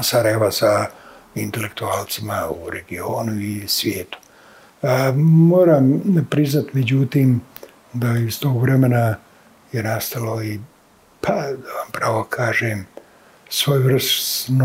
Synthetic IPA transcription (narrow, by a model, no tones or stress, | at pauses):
saɾajeʋasa | int̪e̞le̞k̚t̪uaːlt̪simauɾe̞ɡio̞ːnuisʋjeːt̪u̥ | moːɾaːmpɾiznat̪me̞d͡ʑut̪iːm | d̪aist̪oːɡʋɾeme̞na | jenast̪alo̞i | pʰad̪aʋampɾaʋo̞kʰaːʒeːm | sʋo̞ːjuvrsn